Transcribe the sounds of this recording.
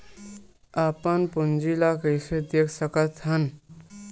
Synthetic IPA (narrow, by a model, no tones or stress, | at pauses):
apənpund͡ʒilakəjsed̪ekʰsəkət̪ɦən